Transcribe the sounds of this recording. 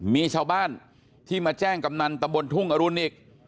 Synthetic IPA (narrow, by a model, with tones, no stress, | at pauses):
miː˧t͡ɕʰaː˧wbaː˥˩n | t̪ʰiː˥˩maː˧t͡ɕɛː˥˩ŋka˧mna˧nt̪a˧mbo˧nt̪ʰu˥˩ŋʔa˧ɾu˧nʔi˨˩k̚